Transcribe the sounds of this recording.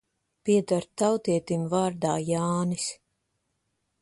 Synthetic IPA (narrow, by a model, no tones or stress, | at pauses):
piɛd̪aɾtt̪ːawt̪iɛt̪imvaːɾd̪aːjaːnis